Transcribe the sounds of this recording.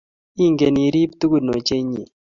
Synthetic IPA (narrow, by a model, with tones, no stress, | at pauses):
i˦ŋɡe˨ni˨ɾi˦p̚t̪u˦ɡu˦˨dno˨t͡ʃe˦ɲḛ˨